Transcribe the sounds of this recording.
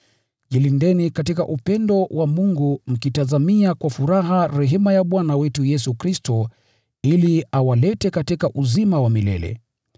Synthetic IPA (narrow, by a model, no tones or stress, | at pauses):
ʄilindɛnikatika̰ʔupɛndɔwʔamuŋɡum̩kitazamiakwafuɾaɦaɾɛɦɛmajaɓwanawɛtujɛsukɾistɔ | iliawalɛtɛkatikaʔuzimawamilɛ̰lɛ̰